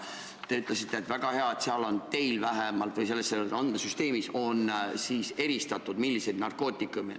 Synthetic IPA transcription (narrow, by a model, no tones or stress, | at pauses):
t̪e̞yt̪ˑle̞sit̪ˑːeːt̪væɡ̥ɑhe̞ɑet̪seɑlo̞nt̪e̞jlvæɦemɑlt̪vɯjs̬e̞lːesːelɑnd̪ɑsyst̪e̞ːmiso̞nsiːse̞ɾist̪ɑt̪ːˑud̪̥milːise̞jd̪nɑrko̞ːt̪ːˑikːˑumḛ